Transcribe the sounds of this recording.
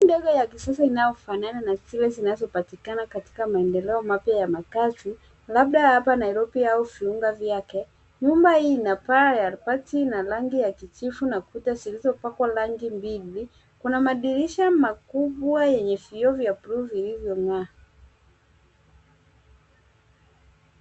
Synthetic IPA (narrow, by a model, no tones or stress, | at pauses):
ndɛɡajakisasainajɔfanananasilɛzinazɔpatikanakati̥kamaɛndɛlɛɔmapjajamakazi | lab̚ɗahapanaiɾɔpiauviuŋɡavjakɛ | ɲumbahiːnapaajaɾpatinalaŋɡijakit͡ʃifunakutasilizɔpakwalaŋɡimbili | kunamaɗiɾiʃamakuɓwajɛɲɛfiɔvjapɾuvilivjɔŋa